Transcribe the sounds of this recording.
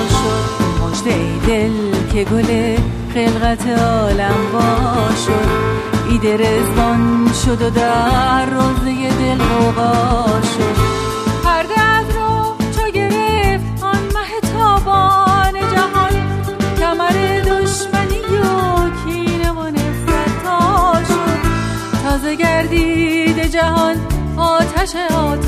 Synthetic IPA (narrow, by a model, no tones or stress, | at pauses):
ʃod̪moʃd̪eejd̪el | cʰe̞ɡole | χe̞lɣæt̪ʰeɒːlæmbɒːʃod̪ | iːd̪eɾezɔnʃod̪od̪ærːoːzejed̪elɾobɒːʃod̪ | pʰæɾd̪eæd̪ɾot͡ʃʰoɡe̞ɾeft̪ɔnmæɦet̪ʰɒːbɔned͡ʒæɦɒːne | kʰæmæɾed̪oʃmænijokʰinemonesæɾt̪ʰɒʃod̪ | t̪ʰɒːze̞ɡæɾd̪iːd̪ed͡ʒæɦɒn | ɒːt̪ʰæʃeɒːt̪ʰ